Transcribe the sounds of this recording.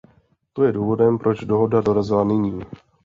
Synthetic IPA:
t̪o̞jɛduːvo̞dɛmpɾo̞d͡ʒdo̞ɦo̞dado̞ɾazɪlanɪɲiː

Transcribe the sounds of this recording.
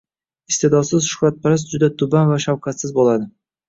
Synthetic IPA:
ɪst̪e̞d̪ɒsɪzʃʊ̥hɾat̪̚pʰaɾas̬d͡ʒʊd̪at̪ʰʊbanvaʃawqʰɑt̪sɪzbolad̪ɪ

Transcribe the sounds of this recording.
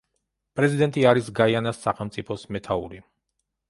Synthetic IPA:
pʼɾɛzid̪ɛnt̪ʼiaɾisɡaianasːaχɛlˠmt̪sʼipʰɔsmɛt̪ʰaṵɾi

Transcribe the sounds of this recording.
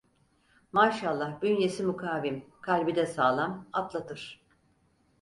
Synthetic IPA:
maːʃalˠːahbynjesimukʰaːvimkʰalʲbid̪ɛsaːlˠamat̪lˠat̪ʰɯɾ̥

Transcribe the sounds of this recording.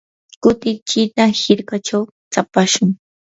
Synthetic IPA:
kʊt̪ɪt͡ʃɪt̪ahɪɾkat͡ʃaw | t͡sapaʃʊŋ

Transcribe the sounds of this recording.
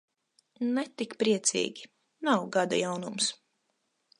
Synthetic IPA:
nɛt̪ikpɾiɛt̪sʲḭːɡʲi | nawɡad̪ṵjawnums

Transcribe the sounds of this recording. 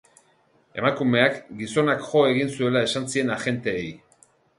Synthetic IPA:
e̞̰makume̞akɡiso̞nakʝo̞e̞ɣ̞insue̞lae̞sansie̞naʝe̞nt̪e̞ːj

